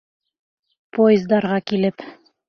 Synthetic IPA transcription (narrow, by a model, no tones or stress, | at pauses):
pojɪzd̪ɑɾʁɑkilɘp